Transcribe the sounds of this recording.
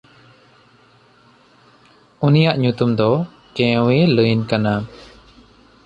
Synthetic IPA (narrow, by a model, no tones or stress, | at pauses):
unijaʔɲut̪umd̪ɔ | kɛ̃weləjnkana